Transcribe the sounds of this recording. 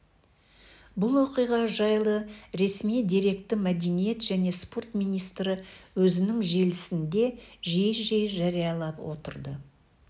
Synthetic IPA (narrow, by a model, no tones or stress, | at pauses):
bʊlˠwo̞qijʁɑʒɑjlˠəɾe̞smijd̪iɾe̞kt̪ɪmæd̪e̞nije̞t̪ʒ̥æne̞spo̞rt̪mijnijst̪ɾɪwɵzɪnɪŋʒe̞lɪsɪnd̪e̞ʒejʒejʒɑɾijɑlˠɑpwo̞̰t̪əɾd̪ə